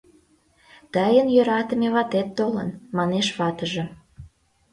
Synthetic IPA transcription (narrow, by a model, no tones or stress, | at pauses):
t̪ɑjənjøɾɑt̪ə̆meβɑt̪et̪ːolə̰nmɑneʃβɑt̪əʒĕ